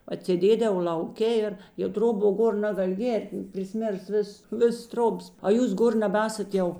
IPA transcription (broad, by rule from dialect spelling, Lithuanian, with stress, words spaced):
ɐtʲsʲeːˈdʲeːdɐʋoː lʲɐʊˈkʲɛ ɪr jɛʊ ˈtroːˌboː ˈɡoːr ˈnɑːɡɐlʲ ˈɡʲeːrt pʲrʲɪˈsʲmʲeːrs ˈʋʲɪs ˈʋʲɪs ˈtroːbɐs ɐ ˈjuːs ˈɡoːr nʲɛbɐˈæːsɐt ˈjɛʊ